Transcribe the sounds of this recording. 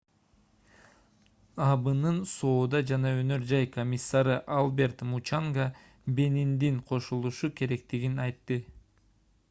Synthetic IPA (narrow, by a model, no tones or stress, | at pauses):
ɑbɯnɯnso̞ːd̪ɑd͡ʒɑnɑønø̞ɾd͡ʒɑjkomʲisːɑɾɯʔalˠbʲe̞ɾt̪mut͡ʃɑŋɡɑ | be̞nind̪iŋqʰo̞ʃulˠuʃuke̞ɾe̞kt̪iɡinɑjt̪ːɯ